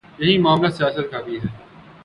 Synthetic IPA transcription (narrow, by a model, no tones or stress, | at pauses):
jɐɦimaːmlasɪjaːsət̪̚kaːɡiɦɛː